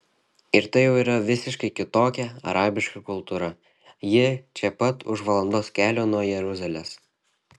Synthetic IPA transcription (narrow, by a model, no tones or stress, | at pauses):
ɪɾt̪ɐɪjɛʊiːɾɐʋʲɪsʲɪʃkɐɪkʲɪt̪oːkʲɛɐ̰ɾʔɑːbʲɪʃkɐkʊlˠt̪uːɾɐ | jɪt͡ʃʲɛpɐt̪ʊ̰ʃʋɐlˠɐnd̪oːskʲæːlʲoːnuɔjɛɾʊzʲɐlʲeːs